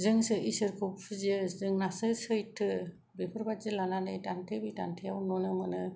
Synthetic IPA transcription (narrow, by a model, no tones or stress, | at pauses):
zɯŋsɯʔisɯɾkʰuppʰɯzɯzɯŋnasɯsɯjtʰɯ | bepʰɯɾbazɯlananɯjtantʰebitantʰejawnɔnɯmɯnɯ